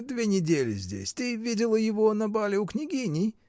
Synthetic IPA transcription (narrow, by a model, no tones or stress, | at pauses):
d̪vʲenʲɪdʲelʲɪ̰zʲdʲḛsʲt̪ɨvʲidʲɪlˠəjɪvonɐbalʲɪʊknʲɪɡʲinʲɪj